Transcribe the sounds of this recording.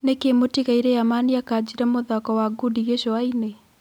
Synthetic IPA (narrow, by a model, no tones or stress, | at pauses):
nekemotiɣaiɾɛamaniakad͡ʒiɾɛmoðakɔwaɡudiɣeʃɔaine